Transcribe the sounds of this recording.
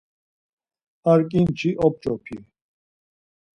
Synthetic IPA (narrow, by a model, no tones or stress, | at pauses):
aɾkʼint͡ʃʰiʔɔp̚t͡ʃʼɔpʰḭ